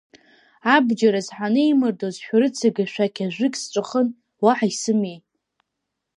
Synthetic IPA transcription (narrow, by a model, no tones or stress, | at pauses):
abd͡ʒaɾazħanɨijmɨrdozħʷᶣaɾɨt͡sʰɨɡʲaʃᶣakʲʰaʒʷɨkʲʼst͡ʃʷʼɨχən | waħaisɨmejʼ